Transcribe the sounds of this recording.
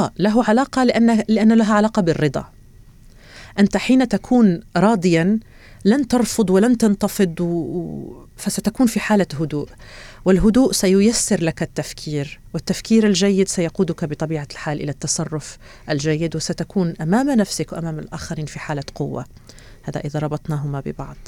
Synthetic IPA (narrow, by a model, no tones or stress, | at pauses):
aːʔlaɦʊʕalaːqɑlɪʔanːalɪʔanːalaɦaʕalaːqɑbɪrːɨd̪ˤɑ̰ | ʔɪnt̪aħiːnat̪akʰuːnɾˤɑːd̪ˤɪja | lant̪ɑɾˤfʊd̪ˤwɪlant̪ɑnt̪ɑfɨd̪ˤw | fasat̪akuːnfiħaːlaɦʊd̪ṵːʔwɪlɦʊd̪uːʔsajʊjasːɪɾlakat̪ːafkʰiːɾwɪt̪ːafkiːɾalʒajːɪd̪sajɑquːd̪ʊkabɪt̪ˤɑbiːʕalħaːlʔɪ̰lat̪ːɑsˤɑrˤːʊf | ʔald͡ʒajːɪd̪wɪsat̪akuːnʔamaːmnafsɪkwʔamaːma̰lʔaːxaɾiːnfiħaːlaqʊwːa̰ | haːða̰ʔɪðaɾˤɑbɑt̪ˤnɑːɦʊmabɪ̰bɑʕd̪̥ˤ